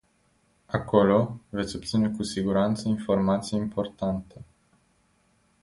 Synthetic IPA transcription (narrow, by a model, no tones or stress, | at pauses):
ako̞lo̞vet̪sʲo̞p̚t̪sine̞kusiɡuɾant̪səinfo̞rmat̪sijimpo̞rt̪ant̪e̞